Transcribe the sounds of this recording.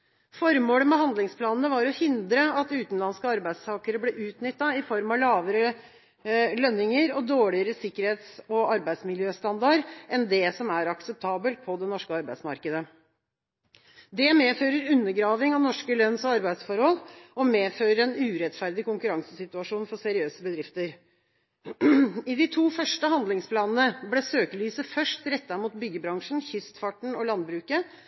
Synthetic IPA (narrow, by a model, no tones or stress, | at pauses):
fɔɾmoːləmɛɦɑnd̪lɪŋspʰlɑːnnəʋɑɾɔhɪnd̪ɾəɑt̪ʉːt̪n̩lɑnskəɑɾbæɪst̪ʰɑːkəɾəblɛʔʉːt̪nʏt̪ːɑɪfɔɾmɑlɑːʋəɾə | lœnːɪŋəɾɔd̪oːɭɪəɾəsɪkːəɾheːt̪sɔɑɾbæɪd̪smɪljøːst̪ɑnd̪ɑɾɛnd̪ɛsɔmæɾɑksɛp̚t̪ʰɑːbəlt̪̚pʰɔd̪ɛnɔʂkəɑɾbæɪsmɑ̰ɾkəd̪ə | d̪ɛmeːføːɾəɾʉnːəɡɾɑːʋɪŋɑʋnɔʂkəlœnsɔɑɾbæɪd̪sfɔɾhɔlɔmeːføːɾəɾɛnʉːɾɛt̪fæɾd̪ɪkʊŋkʉɾɑŋsəsɪt̪ʉɑʂuːnfɔsæɾɪøːsəbəd̪ɾɪft̪əɾ | ɪd̪ɪt̪ʰuːfœʂʈəɦɑnd̪lɪŋspʰlɑːnənəblesøːkəlyːsəfœʂtɾɛt̪ːɑɾmuːt̪bʏɡːəbɾɑŋʂn̩çʏst̪fɑʈɳ̩ɔlɑnd̪bɾʉːkə